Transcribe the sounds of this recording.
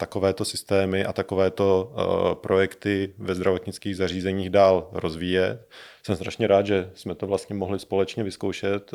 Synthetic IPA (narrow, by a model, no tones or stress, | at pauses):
t̪ako̞vɛːt̪o̞sɪst̪ɛːmɪʔa̰t̪ako̞vɛːt̪o̞pɾʔojɛkt̪ɪvɛzd̪ɾavo̞t̪ɲɪt͡skiːɣzar̝iːzɛɲiːɣdaːlɾo̞zviːjɛt̪sɛmst̪ɾaʃɲɛɾaːd̪ʒɛsmɛt̪ovlast̪ɲɛmoɦlɪspo̞lɛt͡ʃɲɛvɪsko̞wʃɛt̪